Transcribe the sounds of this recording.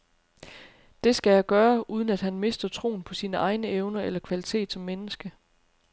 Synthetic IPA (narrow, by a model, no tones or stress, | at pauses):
d̥e̝sɡ̥æjɑ̈ɪɡ̥ɶːɐʔuːð̞ˠən̩æd̥ɦænme̝sd̥ɐt͡sʰʁo̝̰ːn̩pʰɒ̽siːnəʔɑ̈ɪnəeʊnɐelɐkʰʋælit͡sʰe̝̰ːd̥sɒ̽mːenəsɡ̥ə